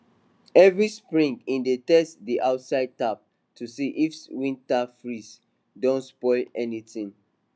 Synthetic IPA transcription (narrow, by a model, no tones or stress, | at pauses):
ɛvɹispɹĩŋɡĩndetɛstdiʔaʊtsaɪd̚tap̚ | tʰusiʔifswĩntafɹis | dõntspɔɪlɛnitĩŋ